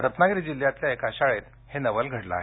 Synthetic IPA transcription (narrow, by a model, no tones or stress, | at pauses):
ɾət̪naɡɾiːd͡ʑiljat̪ljaekaɕaɭet̪ | henəʋəlɡʱəɽla̰ɦe